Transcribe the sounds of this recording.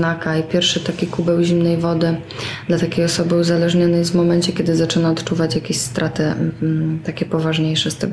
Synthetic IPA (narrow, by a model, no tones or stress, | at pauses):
nakaipʲjɛɾfʂɘt̪akʲikubɛwʑimnɛjvɔd̪ɘ | d̪lat̪akʲejɔsɔbɘuzalɛʐɲɔnɛj̪vmɔmɛnt͡ɕɛkʲɛd̪ɘzat͡ʂɘnaɔt̪t͡ʂuvat͡ɕjakʲeɕst̪ɾʔat̪ɘ | t̪akʲɛpɔvaʐɲejʂɛst̪ɛ̰ɡ